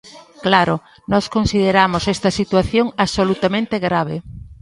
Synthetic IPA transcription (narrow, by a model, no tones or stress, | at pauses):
klaɾo | nɔskonsið̞eɾamosɛst̪ɐsit̪waθjoŋaβsolut̪amẽnt̪eɣɾaβ̞e